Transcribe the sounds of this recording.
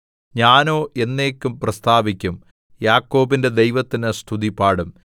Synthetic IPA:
ɲaːno̞ːʔe̞nːe̞ːkʲːumprɐst̪ʰaːbikʲːum | jaːkːo̞ːbinde̞d̪e̞jʋɐt̪ːinɨst̪ʰuðipaːɽum

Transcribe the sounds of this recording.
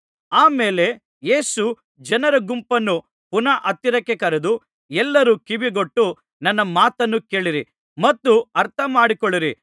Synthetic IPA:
aːmeːle̞ | jeːsu | d͡ʒɐnɐɾɐɡumpɐnːu | punɐʔɐt̪ːiɾɐkːekɐɾed̪u | ɛlːɐɾukibiɡoʈːu | nɐnːɐmaːt̪ɐnːuke̞ːɭiɾi | mɐt̪ːuɐɾt̪ʰɐmaːɽikoɭːiɾi

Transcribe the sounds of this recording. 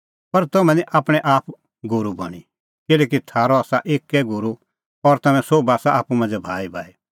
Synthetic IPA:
pɐɾt̪ɐmɛ̃niʔaːpɽ̃ɛʔaːpʰ | ɡʊɾubɐ̰ɽ̃ḭ | kɪlɛːk̬it̪ʰaːɾɔaːsaʔeːkːɛɡʊɾu | ɔɾt̪ɐmɛ̃soːbaːsaʔaːpumɐ̃nd͡ʒɛbʱaːibʱaːi

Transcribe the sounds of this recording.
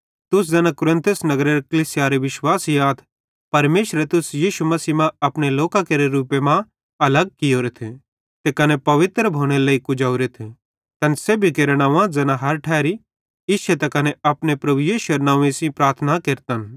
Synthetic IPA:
t̪ʊs̬d͡zɛːnãkʊɾɪ̃nt̪ʰʊsnɐɡɾeɾekɐlisɪjaɾeʋɪʃwaːsjaːt̪ʰ | pɐɾmeːʃɾet̪ʊsjiːʃumɐsiːmãɐpɽ̃eloːkakeɾeɾuːpemã | ɐləɡ̚kɪjoːɾet̪ʰẽ | t̪ekɐnepɐʋɪt̪ɾbʱoːɽ̃elɐikʊd͡ʒaːuɾet̪ʰẽ | t̪ɐnsebʱikeɾɽ̃aʋãd͡zɐnaɦɐɾʈʰɛːɾi | ɪʃʰet̪ɛkɐneɐpɽ̃epɾɐbujiːʃʊeɾnãːʋẽsĩpɾaːɾt̪ʰnakeːɾt̪ən

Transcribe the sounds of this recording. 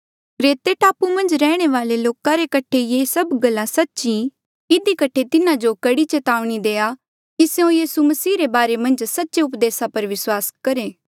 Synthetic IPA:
ɾeːt̪eʈaːpumɐ̃nd͡ʒɾɛːɽ̃eʋaːleloːkãɾekɐʈʰejesɐbɡɐlːãsɐtːʃĩ | ɪd̪ikɐʈʰet̪ɪnãd͡ʒokɐɽit͡ʃeːt̪aːʋɽ̃id̪eːa | kiseõjiːsumɐsiːɾebaːɾemɐ̃nd͡ʒsɐtːʃeʊpd̪eːsapɐɾʋɪswaːskɐɾẽː

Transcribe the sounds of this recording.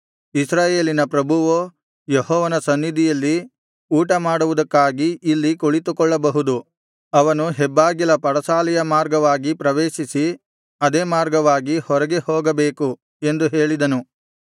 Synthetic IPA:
isɾaːje̞ːlinɐpɾɐbʱuʋo | jeɦɔːʋɐnɐsɐnːid̪ʱijɐlːi | uːʈɐmaːɽuʋud̪ɐkːaːɡiːlːikoɭit̪ukɔɭːɐbɐɦud̪u | ɐʋɐnuɦɛbːaːɡilɐpɐɾɐsaːlijɐmaːɾɡɐʋaːɡipɾɐʋeːʃisi | ɐd̪eːmaːɾɡɐʋaːɡihɔɾɐɡe̞hoːɡɐbeːku | e̞nd̪uɦe̞ːɭid̪ɐnu

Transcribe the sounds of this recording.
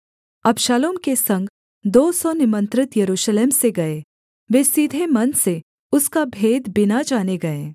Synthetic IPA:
ɐbʃaːloːmkesɐ̃ŋɡ | d̪oːsɔnɪmə̃nt̪ɾɪt̪jɐɾuːʃleːmseɡɐeː | ʋeːsiːd̪ʱemɐnse | ʊskabʱeːd̪bɪnad͡ʒaːneɡɐeː

